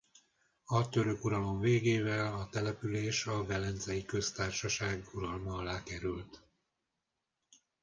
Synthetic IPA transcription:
ɒt̪ø̞ɾø̞kuɾɒlo̞ɱveːɡeːvɛlɒt̪ɛlɛpyleːʃɒvɛlɛnzɛjikø̞st̪aːrʃɒʃaːɡuɾɒlmɒlaːkɛɾylt̪

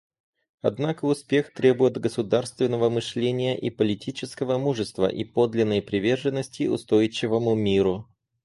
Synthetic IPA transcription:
ɐd̪nakəʊspʲe̞xt̪ɾʲe̞bʊjɪt̪ɡəsʊd̪arst̪vʲɪnːəvəmɨʂlʲenʲɪjəʔipəlʲɪtʲit͡ɕɪskəvəmuʐɨst̪və̰ʔipo̞d̪lʲɪnːəjpɾʲɪvʲe̞rʐɨnːəsʲtʲɪʊ̰st̪o̞jɪt͡ɕːɪvəmʊmʲiɾʊ

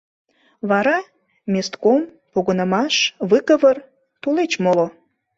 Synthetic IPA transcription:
βɑɾɑ | mʲest̪kom | poɣə̆nə̆mɑʃβɨkəβər | t̪ulet͡ɕmolo

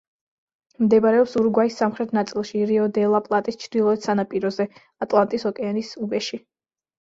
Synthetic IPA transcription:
md̪ɛbɾɛɔpsuɾɡwaisːamχɾɛt̪ʰnat̪sʼilˠʃiɾiɔd̪ɛlˠapʼlˠat̪ʼist͡ʃʰɾd̪ilˠɔɛt̪sanapʼiɾɔzɛ | at̪ʼlˠant̪ʼisɔkʼɛanisubɛʃi

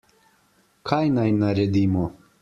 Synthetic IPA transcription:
kʰajnajnaɾɛd̪iːmɔ

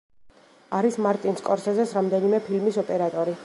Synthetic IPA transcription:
aɾismaɾt̪ʼinskʼɔɾsɛzɛsɾamd̪ɛnimɛpʰilmisɔpʼɛɾat̪ʼɔɾi

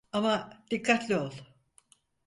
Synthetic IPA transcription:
amad̪̥ikʰːat̪lʲiolˠ

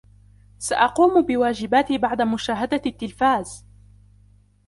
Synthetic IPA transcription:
saʔɑquːmbɪwaːd͡ʒɪbaːt̪ibaʕd̪amʊʃaːɦad̪at̪ːɪlfaːz

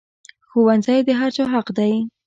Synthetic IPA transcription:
xowanzajd̪əɦaɾt͡ʃɑɦaqd̪aj

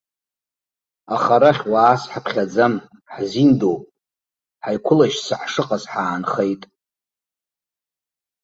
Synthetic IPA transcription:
aχaɾaχʲwaːsħapʰχʲad͡zam | ħzindowpʼ | ħajkʷʰʊlaʃsaħʂɨqʼazħaːnχe̞jtʼ

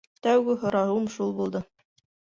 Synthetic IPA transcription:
t̪æwɡɘɦŏɾɑɦumʃulˠbulˠd̪ɤ

